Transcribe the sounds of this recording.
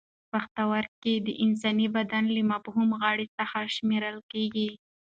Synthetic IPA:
paxt̪awaɾked̪əʔɪns̬ɑnibad̪anlimabhumɣɑɽit̪axaʃmeɾəlkeɡi

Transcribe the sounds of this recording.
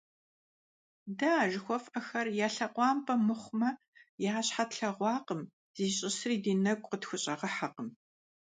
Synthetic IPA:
dɐːʒɪxʷɔfʼɐxɐrjaːɬɐqʷɑːmpʰʼɐmɨχʷʊmɐ | jaːɕħatɬɐʁʷɑːqəm | z̥iːɕʼɪsriːdiːnɐɡʷʼqətxʷʊɕʼɐʁɐħaqəm

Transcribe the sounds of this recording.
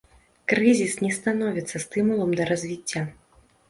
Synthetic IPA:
kɾɨzʲisnʲɛst̪anɔvʲit̪sːɐst̪ɨmulˠɐmd̪ɐɾazʲvʲit͡sʲːa

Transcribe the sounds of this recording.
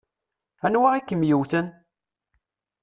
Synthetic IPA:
ænwaʁikːəmjiwθən

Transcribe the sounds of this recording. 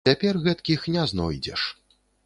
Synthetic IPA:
apʲɛrɣɛt̪kʲixnʲaznɔ̰jd͡zʲɛ̰ʂ

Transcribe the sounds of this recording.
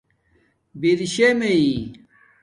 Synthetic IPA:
biɾiɕemei

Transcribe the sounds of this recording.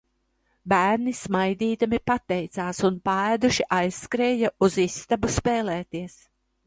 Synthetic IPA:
bæːɾnismajd̪iːd̪amipat̪ːɛjt̪saːsunpaæːd̪uʃiʔajsːkɾeːjauzisːt̪abuspeːleːt̪iɛs

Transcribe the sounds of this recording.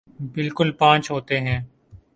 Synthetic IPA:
bɪlkʊlpãːt͡ʃɦoːt̪eɦɛ̃ː

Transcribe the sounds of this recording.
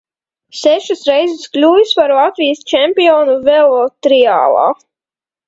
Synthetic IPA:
sɛʃusɾɛjzɨsklʲuːjspaɾlˠat̪vijəst͡ʃɛmpʲiɔːnuvɛlˠɔt̪ɾia̰ːlˠɑ̰ː

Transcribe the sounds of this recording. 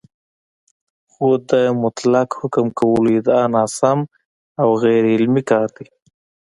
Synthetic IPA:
xod̪əmʊt̪lakhʊkəmkawəluid̪anɑːsam | awɣejɾɪlmikɑːɾd̪i

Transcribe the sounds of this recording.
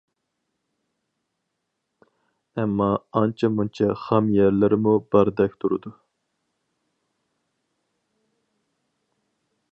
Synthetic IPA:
ɛmːɑɑnt͡ʃʰɑmunt͡ʃʰɑχɑmjɛɾlɪɾɪmubæɾd̪ɛk̚ʲt̪ʰuɾṵd̪u

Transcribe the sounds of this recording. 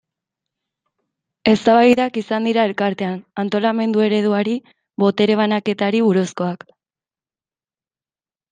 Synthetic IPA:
e̞st̪aβajðakisand̪iɾae̞lkaɾt̪e̞anant̪o̞lame̞nd̪ue̞ɾe̞ð̞uaɾi | βo̞t̪e̞ɾe̞β̞anake̞t̪aɾiβuɾusko̞ak

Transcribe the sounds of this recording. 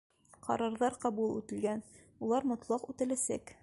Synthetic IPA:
qɑ̰ɾɑɾðɑɾqɑbulˠʉt̪ɘ̆lɡæn | ulˠɑɾmŏt̪lˠɑqʉt̪ɘ̆læsæ̰k

